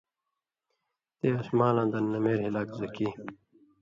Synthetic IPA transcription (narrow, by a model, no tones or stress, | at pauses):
t̪eːɐsmaːlãːd̪ɐnːɐmeːɾɦilaːkzɐki